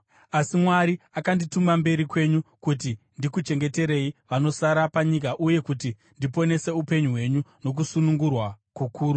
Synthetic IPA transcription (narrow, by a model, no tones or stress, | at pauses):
asimwaɾiakanditumambe̞ɾikwe̞ɲukut̬i | ndikut͡ʃe̞ŋɡe̞te̞ɾe̞iʋano̞saɾapaɲik̬aʔuje̞kut̬i | ndipo̞ne̞se̞upe̞ɲuɦwe̞ɲuno̞k̬usunuŋɡurwakukʰuːɾu